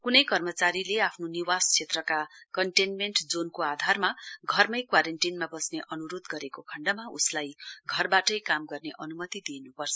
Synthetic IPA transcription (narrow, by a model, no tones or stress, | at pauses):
kunʌjkʌrmʌt͡saɾileapʰnoniwast͡sʰet̪rʌkakʌɳʈenmeɳʈd͡zonkoad̪ʱarmaɡʱʌrmʌjkwaɾeɳʈinmabʌsneʔʌnuɾod̪ɡʌɾekokʰʌɳɖʌmaṵslajɡʱʌrbaʈʌjkamɡʌrneʔʌnumʌt̪id̪ienupʌrt͡sʰʌ̥